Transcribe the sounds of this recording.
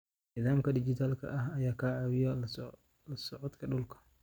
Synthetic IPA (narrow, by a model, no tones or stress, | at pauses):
nɪðaːmkɐdɪd͡ʒit̪aːlkʰɐ̰ʔahajaːkaːawɪjal | lɐsɔʕɔd̪kʰɐɗʊlkḁ